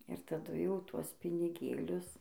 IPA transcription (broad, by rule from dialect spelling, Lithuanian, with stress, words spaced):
ɪr tɐˈdʊ ˈjɛʊ ˈtuɔs pʲɪnʲɪˈɡʲeːlʲʊs